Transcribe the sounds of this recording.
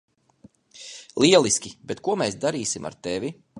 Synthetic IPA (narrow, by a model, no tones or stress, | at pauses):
lˠiɛlˠiskʲibɛt̪kuɔmeːsd̪aɾiːsimʔa̰ɾt̪evʲi